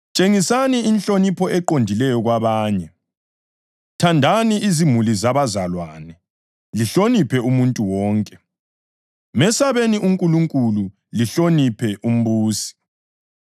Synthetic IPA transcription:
t͡ʃʼeŋisaniːnɬonipʰɔʔɛǃondʱilɛjɔɣwaβaːɲɛ | tʰandʱaniʔizimulizaβazalwanɛ | liɬonipʰɛumuntʼuwɔːŋkʼɛ | mɛsaβeniʔuŋkʼuluŋkʼulu | liɬonipʰɛʔum̩βuːsi̥

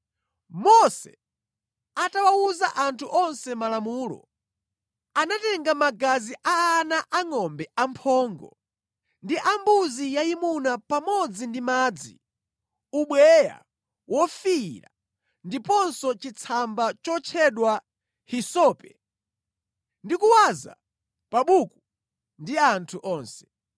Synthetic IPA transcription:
mɔsɛ̰ | atawauzaʔantʰuʔɔnsɛmalamuːlɔ̰ | anatɛŋɡamaɡaziʔaːnaʔaŋɔmbɛampʰɔːŋɡɔ̰ | ndiʔambuzijaimunapamɔd͡zindimaːd͡zḭ | uɓwɛja̰ | wʔɔfiɾa̰ | ndipɔnsɔt͡ʃit͡sʰambat͡ʃɔt͡ʃʰɛɗwa | hisɔːpɛ̥ | ndikuwaza̰ | paɓuku | ndiantʰuʔɔːnsɛ̥

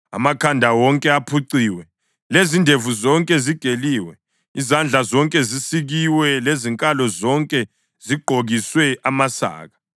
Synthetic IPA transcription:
a̰makʰandʱawɔŋkʼɛapʰuǀiːwɛ | lezindʱevuzɔŋkʼɛziɡ̥ʱeliːwɛ | izand͡ɮʱazɔŋkʼɛzisiɣiwɛleziŋkʼalɔzɔŋkʼɛ | z̥iɡ͡ǃʱoɣiswɛʔamasa̰ːɣa

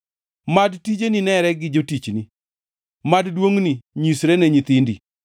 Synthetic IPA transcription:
madtid͡ʒeninɛɾɛɡɪd͡ʒotit͡ʃni | maddwoŋniɲisɾɛnɛɲit̪indi

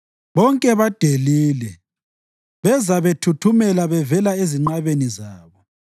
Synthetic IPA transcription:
βɔŋkʼɛβad̥ʱeliːlɛ | βɛzaβetʰutʰumɛlaβɛvɛlaeziŋ͡ǃaβenizaːβɔ

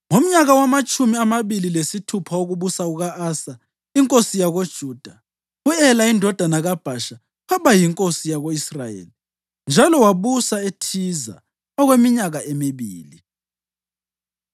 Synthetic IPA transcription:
ŋom̩ɲaɣawamat͡ʃʼumiamaβililesitʰupʰaoɣuβusauɣaʔaːsa | iŋkʼosijaɣod̥ʒ̥ʱuːd̥ʱa | uɛlaindʱɔd̥ʱanaɣab̥ʱaʃa | pʰaβajiŋkʼosijaɣoisrajḛːli | nd͡ʒʱalɔwaβusaetʰiza̰ | ɔɣwemiɲaɣaemiβiːli

